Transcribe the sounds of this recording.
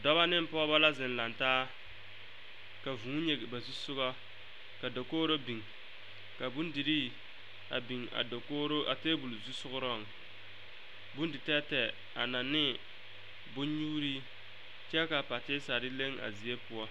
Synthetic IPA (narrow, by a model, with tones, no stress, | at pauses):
dɔ˦ba˦nɪ˦m̩˦pɔ˦ba˦la˦zɪ˨n˨la˨ntaː˦ | ka˨vũ˨˦ɲe˨ba˨zu˦sʊ˦ɣɔ˦ | ka˨do˨koː˦ɾo˦bi˨ŋ | ka˨bu˦ndi˨ɾiː˦ | a̰˨bi˨ŋa̰˨do˨ko˦ɾo˦ʔa˨te˦bu˨lzu˦sʊ˦ɣʊ˦ɾɔ˦˨ŋ | bu˦ndɪ˨tɛ˦tɛ˨ | a̰˨na˨nɪ˦ | bʊ˦ɲuː˦ɾi˦ | t͡ʃɛ˦ka˨pa˨tɪ˦sa˨ɾɪ˦le˦ŋa̰˨zi˨e˦pʊ˦ɔ˦